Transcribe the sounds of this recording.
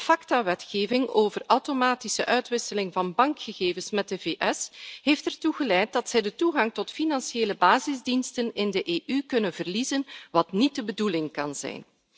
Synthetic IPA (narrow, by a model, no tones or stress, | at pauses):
əfɑktaʋɛtxeːvɪŋoːvərɐwtomaːtisə̰ʔœɥtʋɪsəlɪŋvɑnbɑŋkxəɣeːvənsmɛt̚dəveːʔɛsɦeːftɛrtuɣəlɛjt̚dɑtsɛjdətuɣɑŋtɔtfinɑnsieːləbaːzɪzdinstənɪndəʔeːʔykɵnənvərlizənʋɑtnit̚dəbədulɪŋkɑnzɛ̰jn